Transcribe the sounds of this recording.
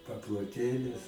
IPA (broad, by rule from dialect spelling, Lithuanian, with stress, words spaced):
pɐplˠoːˈtʲeːlʲɪs